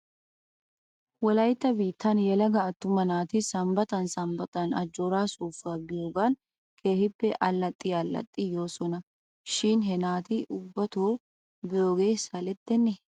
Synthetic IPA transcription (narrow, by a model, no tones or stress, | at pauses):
wɔlɐjt̪ːɐbiːt̪ʰːɐnjɛlɐɡɐːt̪ːʊmɐnaːt̪ɪsɐmbɐt̪ɐnsɐmbɐt̪ɐnɐd͡ʒːoːɾaːsuːfaːbɪjoːɡan | kʰeːhɪpːɛʔɐlːɐt̪ʼːɪɐlːɐ̰t̪ʼːɪjo̞ːsɔnɐ | ʃɪnɦɛnaːt̪ɪʔʊbːɐt̪oː | bɪjoːɡe̞ːsɐlɛt̪ːɛnːɛ